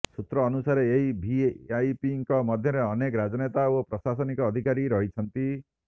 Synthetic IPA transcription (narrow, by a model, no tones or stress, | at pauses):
sut̪ɾɔːnusaɾeːɦibʱiajpiŋkɔmɔd̪ʱjɔɾeɔnekɔɾad͡ʒɔnet̪aopɾɔsasɔnikɔːd̪ʱikaɾiɾɔɦit͡ʃʰɔnt̪i